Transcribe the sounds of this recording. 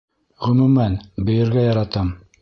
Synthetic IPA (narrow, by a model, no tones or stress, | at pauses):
ʁɵ̆mʉmænbɵ̆jɘ̆ɾɡæjɑɾɑt̪ɤm